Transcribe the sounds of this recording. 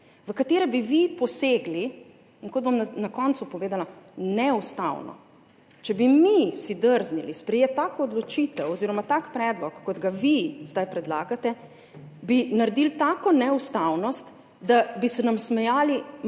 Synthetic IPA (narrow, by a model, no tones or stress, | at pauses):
ʋəkat̪eːɾɛbiʋipɔseːɡliː | ŋkɔd̪̚bomnakɔnt̪supɔʋeːd̪alanɛust̪a̰wnɔ̰ | t͡ʃɛbimisid̪əɾznilispɾɛjet̪akoːd̪lɔt͡ʃit̪ɛwɔziːɾɔmat̪akpɾɛːd̪lɔkːɔd̪ɡaʋizd̪ajpɾɛd̪laːɡat̪ɛ | binaɾɛd̪ilt̪aːkɔnɛust̪awnɔst̪ | d̪abisɛnamsmɛjaːli